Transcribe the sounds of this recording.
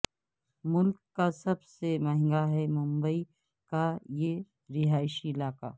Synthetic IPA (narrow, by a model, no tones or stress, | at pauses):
mʊlkːasɐbsemɐɦɪ̃ŋɡaɦɛmʊ̃mbəi | kaje | ɾɪɦaːɪʃiɪlaːka̰ː